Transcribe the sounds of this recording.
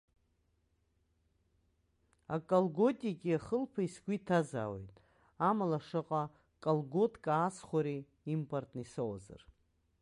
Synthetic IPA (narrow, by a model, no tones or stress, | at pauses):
akʼalɡotʼiɡʲiaχəlpʰaisɡʷitʰaza̰ːwḛjtʼ | amalaʂɨqʼa | kʼalɡotʼkʼaːsχʷaɾi | impʰʼortʼnisowa̰za̰r